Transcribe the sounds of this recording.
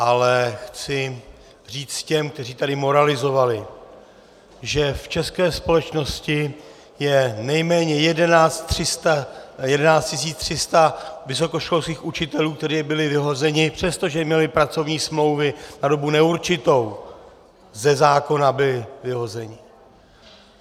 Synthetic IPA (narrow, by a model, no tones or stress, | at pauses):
ʔalɛxt͡sɪ | r̝iːt͡s̪cɛmkt̪ɛr̝iːt̪adɪmo̞ɾalɪzo̞valɪ | ʒɛft͡ʃɛskɛːspo̞lɛt͡ʃno̞scɪ | jɛnɛjmɛːɲɛjɛdɛnaːt͡st̪t̪r̝̥ɪst̪ajɛdɛnaːt͡stcɪs̬iːt͡st̪r̝̥ɪst̪avɪs̬o̞ko̞ʃko̞lskiːxut͡ʃɪt̪ɛluːk̚t̪ɛɾiːbɪlɪvɪɦo̞zɛɲɪpr̝̥ɛst̪o̞ʒɛmɲɛlɪpɾat͡so̞vɲiːsmlo̞wvɪnado̞bunɛuɾt͡ʃɪt̪o̞w | zɛzaːko̞nabɪlɪvɪɦo̞zɛɲɪ